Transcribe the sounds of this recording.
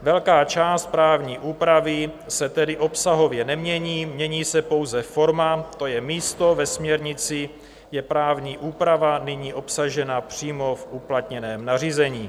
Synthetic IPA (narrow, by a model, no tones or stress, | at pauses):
vɛlkaːt͡ʃaːst̪̚pɾaːvɲiːʔuːpɾavɪ | sɛt̪ɛdɪʔo̞psaɦo̞vjɛnɛmɲɛɲiːmɲɛɲiːsɛpo̞wzɛfo̞ɾmat̪o̞jɛmiːst̪o̞vɛsmɲɛɾɲɪt͡sɪ | jɛpɾaːvɲiːʔuːpɾavanɪɲiːʔo̞psaʒɛnapr̝̥iːmo̞fʔuplat̪ɲɛnɛːmnar̝iːzɛɲiː